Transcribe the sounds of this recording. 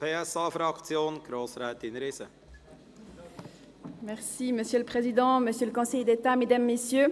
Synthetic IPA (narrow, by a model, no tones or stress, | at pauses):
pʰeːɛsɑːfɾɑkt͡sjoːnɡ̥ɾoːsɾɛːt̪ɪnɾɪsə | mɛʁsiməsjøləpχezid̪ɑ̃məsjøləkɔ̃sɛjd̪et̪amed̪amːesjø